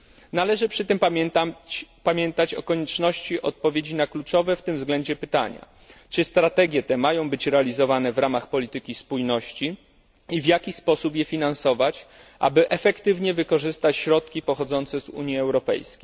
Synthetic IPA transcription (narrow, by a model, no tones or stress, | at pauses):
nalɛʐɘpʂɘt̪ɘmp̪ | pamʲjɛnt̪at͡ɕɔ̰kɔɲɛt͡ʂnɔɕt͡ɕiʔɔt̪̚pɔvʲjed͡ʑinaklut͡ʂɔvɛft̪ɘmvzɡlɛɲd͡ʑɛpɘt̪a̰ɲa̰ | t͡ʂɘst̪ɾat̪ɛɡʲjɛt̪ɛmajɔ̃w̃bɘt͡ɕɾɛalʲizɔvanɛvɾamaxpɔlʲit̪ɘkʲispujnɔɕt͡ɕi | ivjakʲispɔsupjɛfʲinansɔvat͡ɕ | ʔa̰bɘʔɛfɛkt̪ɘvɲɛvɘkɔʐɘst̪at͡ɕɕɾɔt̪̚kʲipɔxɔd̪zɔnt̪sɛzṵɲjiɛwɾɔpɛ̰jskʲe̥j